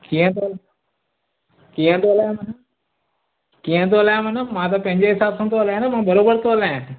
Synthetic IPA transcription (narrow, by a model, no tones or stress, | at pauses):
kiə̃t̪ol | kiːə̃t̪oːlajãmɐn | kiːə̃t̪olajãmɐnəmãt̪̬ɐpɐ̃ɦɪ̃ɲd͡ʑeɦɪsaːbsãːt̪oːlaãnamãbɐɾoːbəɾt̪oːlaẽ